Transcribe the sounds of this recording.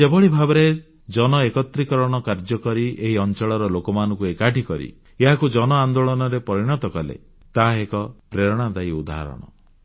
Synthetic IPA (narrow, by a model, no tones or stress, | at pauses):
ebɔɭibʱabɔɾe | d͡ʒɔnɔekɔt̪ɾikɔɾɔɽ̃ɔkaɾd͡ʒɔkɔɾieɦiɔnt͡ʃɔɭɔɾɔlokɔmanɔ̃ŋkuekaʈikɔɾḭ | eɦakud͡ʒɔnɔand̪oɭɔnɔɾepɔɾiɽ̃ɔt̪ɔkɔlḛ | t̪aekɔpɾeɾɔɽ̃ad̪ajud̪a̰ɦa̰ɾɔ̰ɽ̃ɔ̰